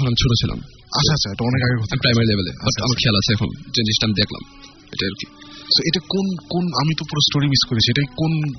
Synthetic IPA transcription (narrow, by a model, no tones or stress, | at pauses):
kʰonamit͡ɕʰuʈot͡ɕʰila̰m | a̰aat͡ɕʰaeʈaɔnekaɡeɾɡʱɔt̪amipɾajmaɾilebelḛabaʈa̰maɾkʰɛalat͡ɕʰeɛkʰond͡ʑeniʃʈiamid̪ekʰla̰m | ḛʈaeɾokisoeʈakonkonamit̪opuɾosʈoɾimiskoɾet͡ɕʰieʈajkon